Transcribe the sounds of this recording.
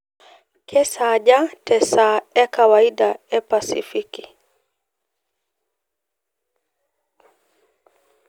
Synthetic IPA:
kʰɛsaʄatʰɛsaɛkawaiɗaɛpasḭfiki

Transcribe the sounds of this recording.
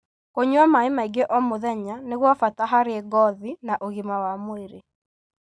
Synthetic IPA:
koɲwamaimaiɡeʔɔmoðɛɲaneɣwafataɦaɾeɛɡɔðinaʔoɣimawamoeɾe

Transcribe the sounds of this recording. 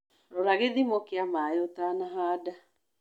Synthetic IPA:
ɾoɾaɣeðimokeamaeotanaɦaːda

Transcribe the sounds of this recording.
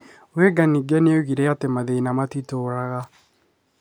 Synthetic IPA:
weɡaniɡɛneoɣiɾeatemaðeinamatitoːɾaɣa

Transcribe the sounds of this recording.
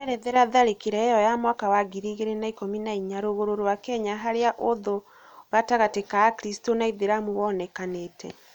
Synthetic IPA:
ɛɾɛðeɾaðaɾekiɾɛjɔjamwakawaɡiɾiɣeɾenaikominaiɲaɾoɣoɾoɾowakɛɲaɦaɾeaʔoðo | ɣataɣatekaakɾistonaiðeɾamuwɔnɛkaneːtʰɛ̰

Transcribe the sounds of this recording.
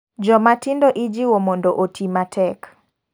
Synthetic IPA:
d͡ʒɔmatindɔʔid͡ʒiwɔmɔndɔʔotʰimatʰɛk

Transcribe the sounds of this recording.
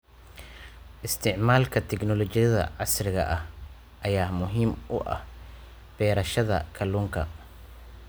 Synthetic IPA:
ʔɪst̪ʰɪʕmaːlkʰɐt̪ʰɛknɔlɔt͡ʃɪjɐðɐ̰ʕɑsrɪɣɐ̰ʔɐh | ʔɐjaːmʊɦiːmʊʔɐ̰h | b̥ɛːɾɐʃɐðɐ̰kʰɐluːŋkʰɐ̰

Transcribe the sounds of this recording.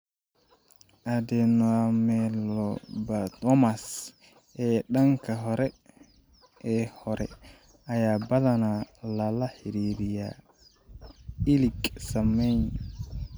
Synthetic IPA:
ʔadɛnamɛlɔbatɔmas | ɛɗaŋkaɦɔɾɛ | ɛhɔɾɛ̰ | ajabalanalalahiɾiɾija | iliksameɲ

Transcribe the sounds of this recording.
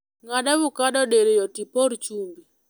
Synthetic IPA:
ŋadaβʊkaɗɔɗeɾejɔtipɔɾt͡ʃumbi

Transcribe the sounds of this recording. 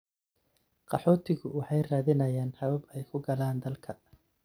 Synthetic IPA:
qɑħɔːt̪ʰɪɣʊwɑħɑjraːðɪnɐjaːnhɐβɐbɛjkʰʊɡɐlaːnd̪ɐlkʰɐ

